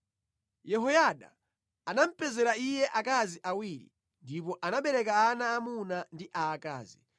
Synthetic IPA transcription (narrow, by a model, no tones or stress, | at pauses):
jɛɦɔjaɗa̰ | anam̩pɛzɛɾaijɛʔakaziʔawiːɾḭ | ndipɔʔanaɓɛɾɛkaːnaːmunandiʔaːka̰ːzi